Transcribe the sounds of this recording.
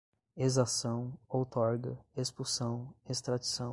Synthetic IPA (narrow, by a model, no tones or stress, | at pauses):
ezasɐ̃w̃owt̪ɔɾɡɐespusɐ̃w̃est̪ɾad͡ʒisɐ̃